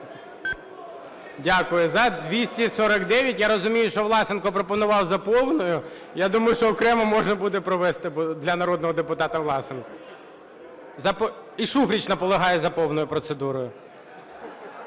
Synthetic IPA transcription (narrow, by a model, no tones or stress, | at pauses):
dʲakʊjʊzɐd̪ʲʋʲisʲtʲisɔɾɐkd̪ɛʋʲjɐtʲjaɾɔzʊmʲijʊʃt͡ʃɔʋlˠɑsɪnkɔpɾɔpɔnʊʋɑwzɐpɔwnɔjʊ | jad̪umɐjʊʃt͡ʃɔːkɾɛmɐmɔʒnɐbud̪ɛpɾɔʋɛst̪ɪbɔd̪lʲɐnɐɾɔd̪nɔɦɔd̪epʊt̪ɑt̪ɐʋlˠɑsɪnkɐ | zɐp | iʃufɾʲit͡ʃnɐpɔlˠeɦɑjɛzɐpɔwnɔjʊpɾɔt̪sed̪uɾɔjʊ